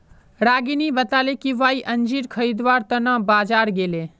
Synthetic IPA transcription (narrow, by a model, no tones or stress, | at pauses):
ɾaːɡinibɐt̪aːlekiʋaːiʔɐɲd͡ʒiːɾkʰɐɾiːd̪ʋaːɾt̪ɐnãːbaːd͡ʒaːɾɡeːleː